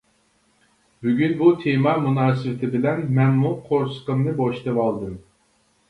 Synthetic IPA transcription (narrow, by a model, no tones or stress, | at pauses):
byɡʲynbut̪ʰemamunaːsivt̪ʰɛbilænmænmukʰoɾskɯmnɯboʃt̪ʰɯvalˠd̪ɯm